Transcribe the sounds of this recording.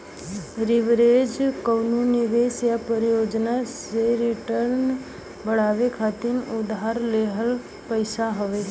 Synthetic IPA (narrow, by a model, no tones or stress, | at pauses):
ɾɪʋɾeːd͡ʒkəwnunɪʋeːsjapəɾjoːd͡ʒnaseɾɪʈəɾn | bəɽaːʋekʰat̪ɪnʊd̪ɦaɾleɦəl | pəjsaɦəʋe